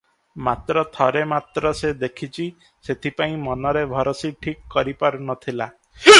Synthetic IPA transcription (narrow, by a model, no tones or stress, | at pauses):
mat̪ɾɔt̪ʰɔɾemat̪ɾɔsed̪ekʰit͡ʃʰi | set̪ʰipaĩmɔnɔɾebʱɔɾɔsiʈʰikːɔɾipaɾunɔt̪ʰila